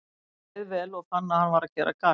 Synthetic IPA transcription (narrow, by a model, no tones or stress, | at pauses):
ðvɛːlɔɣθanːahanvaɾacɛːɾʔa̰ka